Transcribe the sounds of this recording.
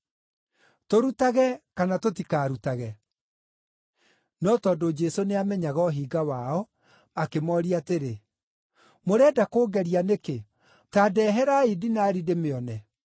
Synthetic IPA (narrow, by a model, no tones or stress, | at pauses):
toɾutaɣɛkanatotikaːɾutaɣɛ | nɔtɔdod͡ʒɛsoneamɛɲaɣɔɦiːɡawaɔ | akemɔɾiateɾe | moɾɛːdakoːɡɛɾianeke | taːdɛɦɛɾaidinaːɾidemeɔnɛ